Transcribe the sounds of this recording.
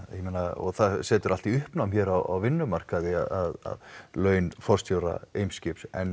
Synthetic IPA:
jɛmejnaɔ̰ɣθaðsɛːt̪ʏɾal̥t̪iʏhpnawmçɛːɾawa̰wvɪnːʏmar̥kaðɪa̰ðaða̰ðlœːɥnfɔrst̪ʰjowɾa̰ejmscɪpsɛn

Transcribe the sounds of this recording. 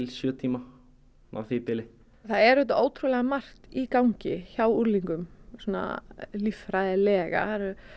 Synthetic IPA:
ɪlsjœːt̪ʰiːma | na̰wθɪpɪlɪ | θaðɛɾɛt̪ʏʔoːwt̪ʰɾulɛɣamar̥t̪ikawɲcɪçawuɾliŋkʏmsɔːna̰lifɾajðɪlɛːɣa̰aɾʏ

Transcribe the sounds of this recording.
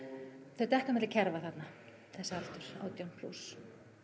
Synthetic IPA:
θœɥt̪ɛhkamɪt̪lacʰɛɾvaθat̪na | θɛsːaal̥t̪ʏɾ̥a̰ːwt̪jownpʰlṵs

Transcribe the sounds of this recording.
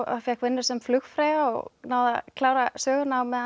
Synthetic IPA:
a̰fjɛkvɪnːʏ̥sɛmflʏxfɾaːjɣaɔ̰ɣnaːwðakʰlaːwɾasœːɣʏnawmɛða

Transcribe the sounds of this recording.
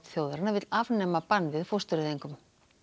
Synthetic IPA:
t̪θjowðaɾɪnːavɪt̪lavnɛmapanːvɪðfost̪ʏɾɪðiŋkʏm

